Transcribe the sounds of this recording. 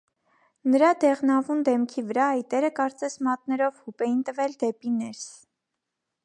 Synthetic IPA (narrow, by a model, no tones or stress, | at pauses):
nəɾɑd̪ɛʁnɑvund̪ɛmkʰivəɾɑɑjt̪ɛɾəkɑɾt͡sɛsmɑt̪̚nɛɾɔvhupɛjint̪əvɛld̪ɛpinɛɾs